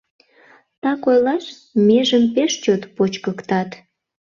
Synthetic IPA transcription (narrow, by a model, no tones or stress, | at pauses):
t̪ɑkojlɑʃ | meʒəmpeʃt͡ɕot̪pot͡ɕkəkt̪ɑt̪